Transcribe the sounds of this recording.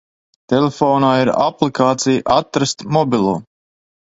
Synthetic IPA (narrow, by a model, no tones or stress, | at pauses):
t̪ɛlefɔːnaːiɾa̰plikaːt̪sijʔat̪ɾast̪mɔbilˠuː